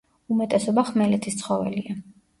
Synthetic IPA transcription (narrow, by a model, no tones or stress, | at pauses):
umɛt̪ʼɛsɔbaχmɛlɛt̪ʰist̪sʰχɔvɛ̰lia